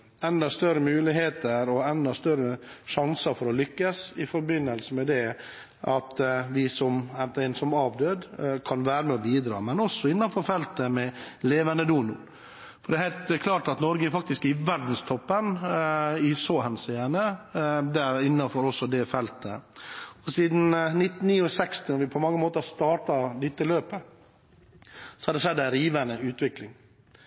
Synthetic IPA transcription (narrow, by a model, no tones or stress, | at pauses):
ɛnd̪əst̪œɾəmʉːlɪɦeːt̪əɾɔɛnd̪əst̪œɾəʂɑŋsəɾfɔɾɔlʏkːəsɪfɔɾbɪnːəlsəmɛd̪ɛ | ɑt̪ʋɪsɔmɛnt̪əɪnsɔmɑːʋd̪øːd̪kʰɑnʋæːɾəmɛɔbiːd̪ɾɑ̰ːmɛnɔsːɔɪnːɑnfɔɾfɛlt̪əmɛleːʋənəd̪uːnʊ | fɔɖɛhæɪlt̪kʰlɑːʈɑt̪nɔɾɡəæɾfɑk̚t̪ɪskɪʋæɖn̩st̪ʰɔpːən | ɪsoːhɛnsɛjænəd̪ɛɾɪnːɑfɔɾɔsːɔd̪ɛfɛlt̪əɔsiːd̪n̩nɪt̪ːn̩ːiːɔsɛkst̪ɪnɔɾʋɪpʰɔmɑŋːəmoːt̪əst̪ɑːʈɑd̪ɪt̪ːɪløːpə | sɔ̥hɑɾd̪ɛʂɛd̪ːɛɾiːʋænəʉːt̪ʋɪklɪŋ